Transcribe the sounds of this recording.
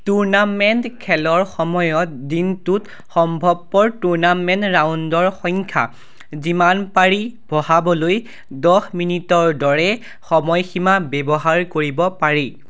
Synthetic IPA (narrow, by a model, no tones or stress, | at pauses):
tuɹnamɛntkʰɛlɔɹxɔmɔjɔt̚dintut | xɔmbʱɔb̚pɔɹtuɹnamɛntɹawndɔɹxɔŋkʰa̰ | zimanpaɹibʱɔhabɔloj | dɔxminitɔɹdɔɹɛ | xɔmɔjximabɛbɔɦaɹkoɹibɔpaɹe